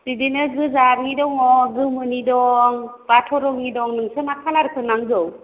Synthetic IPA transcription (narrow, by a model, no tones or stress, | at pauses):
sidinɯɡɯzaɾŋidɔŋɔɡɯmɯnidɔŋpatʰɔɾɔŋidɔŋnɯŋsɯnakʰalaɾkʰɯnaŋzɯw